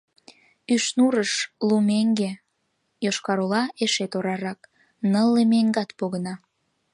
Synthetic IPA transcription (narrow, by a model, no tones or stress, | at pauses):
yʃnuɾəʃlumeŋɡe | joʃkɑɾolɑeʃet̪oɾɑɾɑk | nəlːemeŋɡɑt̪poɣənɑ